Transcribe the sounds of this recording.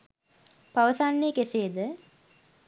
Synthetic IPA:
paʋəsanːekeseːd̪ə

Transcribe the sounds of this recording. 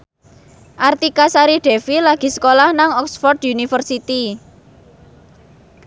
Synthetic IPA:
ʔart̪ikasaɾiɖ̥e̤filaɡ̥i̤sə̥kolahnaŋɔksfɔrd̪junifərsit̪i

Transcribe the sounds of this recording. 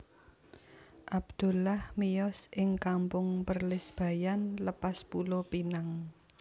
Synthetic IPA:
ʔabd̪̥ṳlahmijɔsʔɪŋkampʊŋpərlɪsb̥ä̤janləpaspulopinaŋ

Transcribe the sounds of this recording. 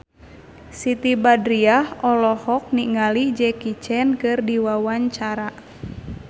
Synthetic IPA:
sit̪ibadɾiahɔlɔhɔk̚niŋalid͡ʒɛkit͡ʃɛnkɨrdiwawaɲt͡ʃaɾa

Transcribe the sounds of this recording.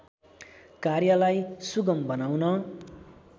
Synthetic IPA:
karjʌlajsuɡʌmbʌnawnʌ

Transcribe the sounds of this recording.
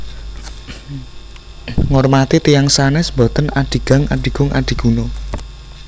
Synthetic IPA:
ŋɔrmat̪it̪ijaŋsanɛsmbɔt̪ənaɖ̥i̤ɡ̥a̤ŋaɖ̥i̤ɡ̥ʊ̤ŋʔa̰ɖ̥i̤ɡ̥uno

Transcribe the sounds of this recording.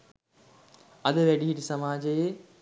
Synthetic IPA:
ɐd̪əʋɛɖiɦiʈisɐmaːd͡ʒəjeː

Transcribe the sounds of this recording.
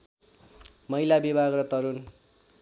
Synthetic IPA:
mʌilabibʱaɡrʌt̪ʌɾun

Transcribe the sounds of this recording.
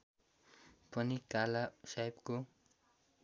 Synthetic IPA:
pʌnikalasajbko

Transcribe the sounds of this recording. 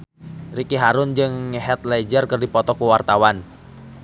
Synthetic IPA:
rikiɦaɾʊnd͡ʒɨŋɦɛt̪̚lɛd͡ʒərkərdipɔt̪ɔkuwart̪awan

